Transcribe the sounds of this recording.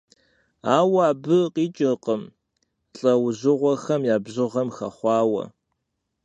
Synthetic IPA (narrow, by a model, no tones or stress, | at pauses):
aːwaːbɨqʼiːt͡ʃʼɪqʼəm | ɬʼɐwzɨʁʷɔxɐmjaːbʑɨʁɐmxɐχʷɑːwɐ̰